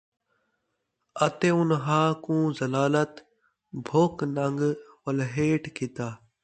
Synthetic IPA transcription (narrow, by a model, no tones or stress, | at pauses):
ət̪eːʊnɦãːkũːzəlaːlət̪ | bʱoːknəŋɡʋəlɦeːʈkʰɪt̪aː